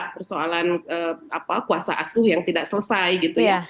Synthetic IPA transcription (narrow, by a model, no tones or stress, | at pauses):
pərsoalanəːapakuasa̰ʔasʊhjaŋt̪idaksələsajɡit̪uja